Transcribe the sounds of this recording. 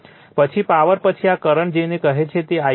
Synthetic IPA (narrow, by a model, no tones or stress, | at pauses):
pət͡ʃʰipaʋəɾpət͡ʃʰiakəɾəɳd͡ʒenekəɦet͡ʃʰet̪ea